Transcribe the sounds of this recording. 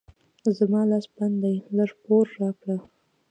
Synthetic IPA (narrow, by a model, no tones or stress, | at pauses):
zamɑlɑsband̪ajləʐpoɾːɑkɽa